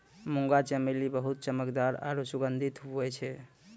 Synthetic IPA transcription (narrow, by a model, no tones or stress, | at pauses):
muŋɡat͡ʃəmelibəɦut̪̚t͡ʃəməkd̪aɾa̰ɾusuɡənd̪ʱit̪ɦuɛt͡ʃʰɛ